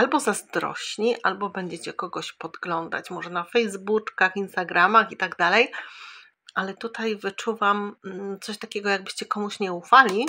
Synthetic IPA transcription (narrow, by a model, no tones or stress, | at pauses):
albɔzazd̪ɾɔ̰ɕɲiʔalbɔbɛɲd͡ʑɛt͡ɕɛkɔɡɔɕpɔd̪ɡlɔnd̪a̰t͡ɕmɔʐɛnafɛjzbut͡ʂkaxinst̪aɡɾamaxit̪aɡd̪alɛj | ʔalɛt̪ut̪ajvɘt͡ʂuvamt̪sɔɕt̪akʲɛɡɔjaɡ̚bɘɕt͡ɕɛkɔmuɕɲɛufalʲi